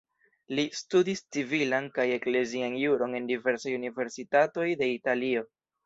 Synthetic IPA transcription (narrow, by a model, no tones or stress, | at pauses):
listudist͡sivilankaje̞kle̞zianjuɾo̞ne̞ndive̞ɾsajunive̞ɾsitato̞jde̞italio̞